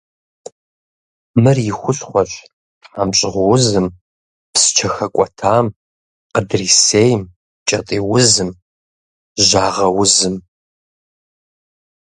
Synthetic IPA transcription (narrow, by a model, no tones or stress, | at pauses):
mɨrjɪxʷʊɬχʷɔɕʼ | ħaːmɕʼɪʁʷwʊzɨm | psɨ̥t͡ʃʰɐxɐkʷʼɔtʰaːm | qədriseːjm | t͡ʃʼɐtʼiːwʊzɨm | ʒaːʁɐwʊzɨm